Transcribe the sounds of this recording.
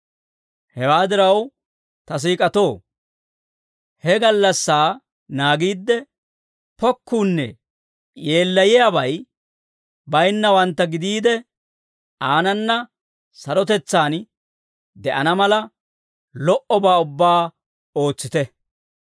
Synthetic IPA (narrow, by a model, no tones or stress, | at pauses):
hɛwaːd̪ɪɾɐw | t̪ɐs̬iːkʼɐt̪o̞ː | hɛɡɐlːɐsːaː | naːɡiːd̪ːɛ | pɔkːuːnːɛ̰ | je̞ːlːɐjɪjabɐj | bɐjnːɐwɐnt̪ːɐɡɪd̪iːd̪ɛ | ʔaːnɐnːɐ | sɐɾɔt̪ɛt͡sːaːn | d̪ɛʔɐnɐmɐlɐ | lɔʔɔbaːʊbːaː | o̞ːt͡sːɪt̪ɛ